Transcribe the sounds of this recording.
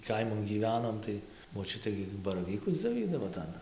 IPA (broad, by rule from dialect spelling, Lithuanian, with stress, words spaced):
ˈkɐɪmɐn ɡʲiːˈʋʲæːnoːm tɐɪ moːˈt͡ʃʲʊtʲeː ɡʲɪ bɐrɐˈʋʲiːkʊs d͡zʲoːˈʋʲiːdɐʋoː ˈtɐn